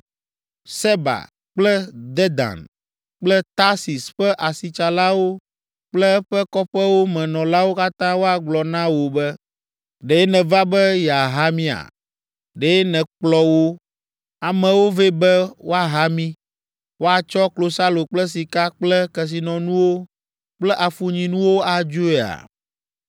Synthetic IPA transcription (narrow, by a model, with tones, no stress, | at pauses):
se˦ba̰˨ | k͡plɛ˦d̪ɛ˦d̪a̰˨n | k͡plɛ˦t̪a˦si˨sɸɛ˦ʔa˨si˨t͡ʃa˨la˦wo˦ | k͡plɛ˦ɸɛ˦kɔ˦ɸɛ˦wo˦mɛ̃˨nɔ̃˨la˦wo˦ka˦t̪ã˦wo˦a˨ɡ͡blɔ˨nã˦wo˨bɛ˦ | ɖe˨ɛ˦nɛ̃˨va˦bɛ˦jɛ˨a˨ɦa˦mĩ˦a̰˨ | ɖe˨˦nɛ̃˨k͡plɔ˦wo˦ | a˨mɛ̃˨wo˦ve˦bɛ˦wo˦a˨ɦa˦mĩ˦ | wo˦a˨t͡ʃɔ˦klo˨sa˦lo˨k͡plɛ˦s̬i˨ka˦k͡plɛ˦kɛ˨s̬i˨nɔ̃˨nũ˦wo˦ | k͡plɛ˦ʔa˨fu˨ɲĩ˨nũ˦wo˦a˨d͡ʒo˦e˨a̰˨